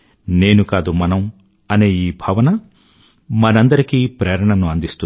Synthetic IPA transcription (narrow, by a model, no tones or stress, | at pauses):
ne̞ːnukaːd̪umɐnɐm | ɐneːiːbʱɐʋɐnɐ | mɐnɐnd̪ɐɾikiːpɾeːɾɐɳɐnuɐnd̪ist̪u